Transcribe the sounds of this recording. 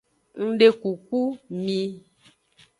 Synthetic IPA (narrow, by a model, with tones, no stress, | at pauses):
ŋ̩˦ɖe˦ku˨ku˦mĩ˧